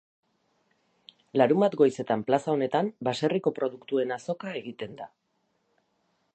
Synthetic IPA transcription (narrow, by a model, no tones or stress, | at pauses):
laɾumbat̪ɡo̞jse̞t̪amplasao̞ne̞t̪ambase̞riko̞pɾo̞ð̞ukt̪ue̞naso̞kae̞ɣit̪e̞nd̪a